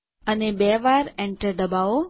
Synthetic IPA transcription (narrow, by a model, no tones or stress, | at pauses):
ənebɛʋaɾɛ̃ɳʈəɾd̪əbao